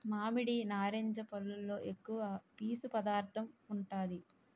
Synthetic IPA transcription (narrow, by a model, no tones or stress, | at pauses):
maːmiɽinaːɾeːɲd͡ʒɐpɐlːulːo̞ːʔe̞kːuʋɐpiːsupɐd̪aːɾt̪ʰɐmuɳʈaːd̪i